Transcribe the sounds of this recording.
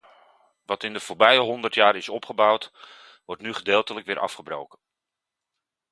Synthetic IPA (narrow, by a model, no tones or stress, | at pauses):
ʋɑtɪndəvʊːɹbɛjəɦɔndəɹtjaːɾɪsɔpχəbɑwt | ʋɔɹtnyχədeːlˠtələkʋɪːɹʔɑ̰fχəbro̰wkən